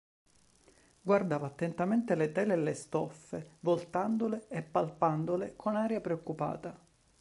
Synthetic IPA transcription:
ɡward̪aːvaːt̪ːent̪ament̪elet̪ɛːleːlːest̪ɔfːevolt̪and̪oleepːalpand̪olekʰonaːɾjapɾeokːupa̰ːt̪a

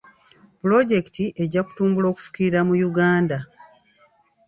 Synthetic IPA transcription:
pulo̞ɟe̞ki̥tiʔe̞ɟaku̥tuːmbulo̞ːku̥fu̥kiɾiɾamujuɡaːnda

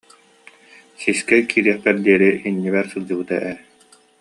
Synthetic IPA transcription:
siskɛkʰiːɾiɛχt̪ɛɾd̪iɛɾiinːiβɛɾsɯlˠd͡ʑɯbɯt̪aʔɛ

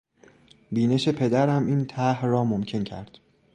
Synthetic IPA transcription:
biːne̞ʃe̞pʰe̞d̪æɾæmiːnt̪ʰæhrɒːmomcʰe̞ncʰæ̰ɾd̪̥

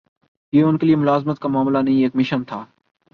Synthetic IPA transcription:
jeːʊnkelieːmʊlaːzmət̪̚kaːmaːmlanɐɦĩːeːkmɪʃənt̪ʰaː

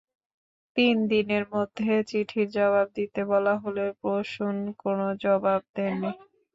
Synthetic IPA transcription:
t̪ind̪ineɾmod̪ʱːet͡ɕiʈʰiɾd͡ʑɔβab̚d̪it̪ebɔlaɦoloɾpɾoʃunkonod͡ʑɔbab̚d̪ɛni

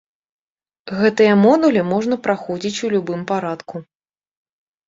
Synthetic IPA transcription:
ɣɛt̪ɨjɐmɔd̪ulʲimɔʐnɐpɾaxɔd͡zʲit͡sʲulʲubɨmpaɾat̪ku

